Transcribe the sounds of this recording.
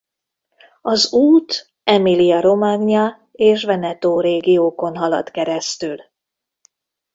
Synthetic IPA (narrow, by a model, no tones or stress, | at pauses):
ɒzuːt̪ | ɛmilijɒɾo̞maːɡɲɒ | eːʃvɛnɛt̪oːɾeːɡijoːko̞nɦɒlɒ̰t̪kɛɾɛst̪yl